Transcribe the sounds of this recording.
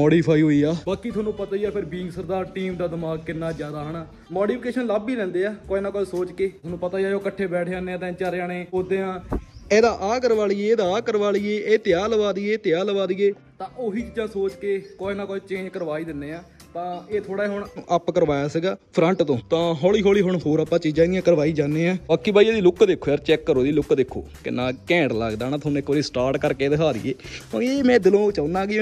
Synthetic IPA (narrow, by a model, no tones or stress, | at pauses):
ɔːɽiːpʰaːiːɦoːiːaːbaːkiːt̪ʰʊoaːnːũːpət̪aːijaːpʰɪɾbiːɪ̃ŋɡsəɾd̪aːɾʈiːmd̪aːd̪ɪmaːɡ̚kɪnːaːd͡ʒjaːd̪aːɦəɳaː | mɔːɖiːpʰɪkeːʃənlaːbiːɾɛ̃ːnd̪eːaːkoːinãːkoːesoːt͡ʃkeːt̪ʰʊːnũːpət̪aːiaːoːkəʈʰːeːbɛːʈʰːaːneːaːt̪ɛ̃ːt͡ʃəɾaːneːod̪eːãːeːd̪aːʔaːkəɾʋaːliːeeːd̪aːaːkəɾʋaːlieːeːt̪ɪaːləʋaːd̪ieːt̪ɪjaːləʋaːd̪ieː | t̪ãːʔoɦiːt͡ʃiːd͡ʒãːsoːt͡ʃkeːkoːiːnãːkoːiːt͡ʃẽːd͡ʒkəɾʋaːiːd̪ɪnːeːaː | t̪ãːeːt̪ʰoːɽaːeːɦʊɳʔəpkəɾʋaːjaːsiːɡaːpʰɾə̃ɳʈt̪õːt̪ãːɦɔːɭiːɦɔːɭiːɦʊɳɦoːɾaːpːãːt͡ʃiːd͡ʒãːɡiãːkəɾʋaːiːd͡ʒaːnːeːãːbaːkːiːbaːieːd̪iːlʊkd̪ekʰːoːjaːɾt͡ʃɛːkːəɾoːd̪iːlʊkːd̪ekʰːo̰ːkɪ̰nãːkɛ̃ːɳɖlə̰ɡd̪aːnaːt̪ʰʊnẽːkoːɾiːsʈaːɾʈkəɾkeːd̪əkʰaːd̪ḭːḛːõ̰ːeːmɛ̃ːd̪ɪlõːt͡ʃaːnãːɡɪãː